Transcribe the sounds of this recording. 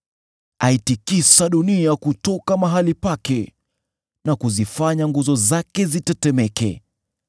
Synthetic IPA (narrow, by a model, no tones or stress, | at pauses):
aitikisaɗuniakutɔkamaɦalipakɛ | nakuzifaɲaŋɡuzɔzakɛzitɛtɛmɛkɛ̰